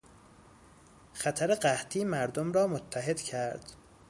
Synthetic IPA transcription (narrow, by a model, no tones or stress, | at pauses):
xæt̪ʰæɾeɢæht̪ʰiːmæɾd̪omɾɒːmot̪ʰːæɦe̞d̪̥cʰæɾd̪̥